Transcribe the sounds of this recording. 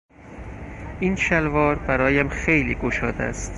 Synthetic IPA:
inʃælvɒːɾbæɾɒːjæmxejliːɡoʃɒːd̪æ̰st̪

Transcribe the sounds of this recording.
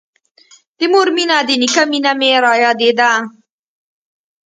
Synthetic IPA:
d̪̥ɪmoɾminad̪ɪnikaminameɾɑjɑd̪ed̪a

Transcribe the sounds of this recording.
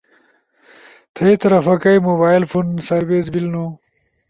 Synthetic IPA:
t̪ʰɐit̪ɐɾɐfɐkɐjmobaːjlfunsɐɾbeːzbilnu

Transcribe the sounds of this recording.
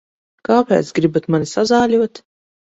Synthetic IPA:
kaːpʲɛ̰ːt̪sɡɾibat̪manisazaːlʲuɔt̪

